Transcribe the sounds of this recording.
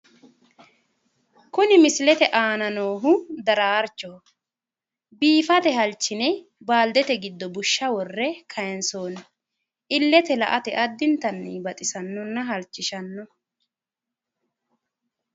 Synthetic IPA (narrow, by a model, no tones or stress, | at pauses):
kʊnɪmɪslɛt̪ɛʔaːnɐnoːɦʊd̪ɐɾaːɾt͡ʃːɔ | biːfɐt̪ɛɦɐlt͡ʃːɪnɛ | baːld̪ɛt̪ɛɡɪd̪ːɔbʊʃːɐwɔrːɛkʰɐjɛnsoːn | ʔɪlːɛt̪ɛlɐ̰ʔɐt̪ɛʔɐd̪ːɪnt̪ɐnːibɐt̪ʼɪsɐnːɔnːɐɦɐlt͡ʃːɪʃɐnːɔ